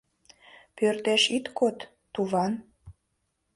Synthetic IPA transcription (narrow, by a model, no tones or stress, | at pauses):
pørt̪eʃit̪kot̪ː | uβɑn